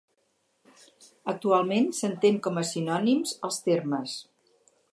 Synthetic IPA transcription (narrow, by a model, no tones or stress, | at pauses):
ək̚t̪ualˠmensənt̪eŋkɔməsinɔnimzəlˠst̪erməs